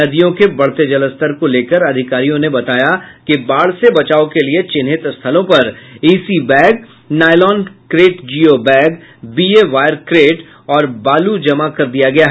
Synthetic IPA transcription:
ɐd̪ijõkebɐɽ̤t̪ed͡ʒɐləst̪əɾkoleːkəɾɐd̪ʱɪkaːɾijõnebɐt̪aːjakibaːɽ̤sebɐt͡ʃaːokeliet͡ʃɪnɦɪt̪st̪ʰəlõpɐɾiːsibɛ̃ːɡ | naːɪlɔːnkɾeːʈd͡ʒiːobɛ̃ːɡbiːeʋaːjəɾkɾeːʈ | ɔːɾbaːlud͡ʒɐmakɐɾd̪ijaɡɐjaɦ

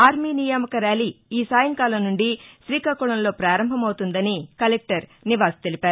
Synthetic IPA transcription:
aːɾmiːnijaːmɐkɐɾaːliːsaːjɐŋkaːlɐnuɳɖiʃɾiːkaːkuːɭɐnlo̞ːpɾaːɾɐmbʱɐmɐwt̪und̪ɐnikɐlek̚ʈɐɾniʋaːst̪e̞lipaːɾu

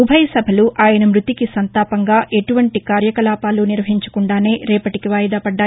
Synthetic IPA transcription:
ubʱɐjsɐbʱɐluʔaːjɐnɐmɾut̪ikisɐnt̪aːpɐŋɡaːʔe̞ʈuʋɐɳʈikaːɾjɐkɐlaːpaːluːniɾʋɐɦiɲt͡ʃɐ̥kuɳɖaːne̞ːɾɛːpɐʈikiʋaːjɐd̪aːpɐɖːaː

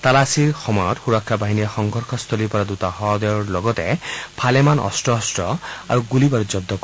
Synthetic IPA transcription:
t̪alasiɹxɔmɔjɔt̪xuɾɔkʰːabaɦinijaxɔŋɡʱɔɾkʰɔst̪ʰɔlipɔɾad̪ut̪aɦɔd̪ɔjɔɹlɔɡɔt̪epʰalemanɔ̰sʈɔːsʈɔa̰ɾuɡulibaɾud͡ʒɔb̚d̪ɔk

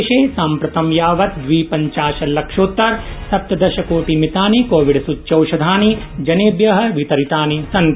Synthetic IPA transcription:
ʃeːsaːmpɾɐt̪ɐmjaːʋɐt̪̚d̪ʋiːpɐɲt͡ʃaːʃɐlɐkʂoːt̪ːɐɾsɐp̚t̪ɐd̪ɐʃɐkoːʈimit̪aːnikoːʋiɖsutːt͡ʃɐwʃɐd̪ʱaːni | d͡ʒɐneːbjɐɦɐ̆ʋit̪ɐɾit̪aːnisɐn

